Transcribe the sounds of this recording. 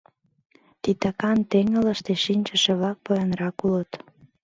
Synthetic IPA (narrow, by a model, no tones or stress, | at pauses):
t̪it̪ɑkɑnt̪eŋə̆lə̆ʃt̪eʃinʲt͡ʃə̆ʃĕβlɑk̚pojənrɑkulət̪